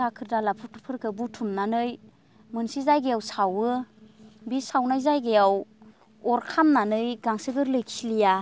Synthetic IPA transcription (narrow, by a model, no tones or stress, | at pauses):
akʰɯɾdalapʰɯtʰɯpʰɯɾkʰɯbutʰumnanɯj | mɯnsizajɡejawsawɯ | bisawnajzajɡejaw | ɔɾkʰamnanɯjɡaŋsɯɡɯɾlɯjkʰislija